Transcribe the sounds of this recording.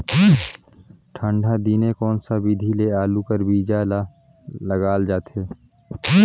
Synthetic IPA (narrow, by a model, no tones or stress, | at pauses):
ʈʰə̃ɳɖʱad̪iːnekɔːnsabid̪ʱileaːlukəɾbiːd͡ʒal | ləɡaːld͡ʒaːt̪ɦeː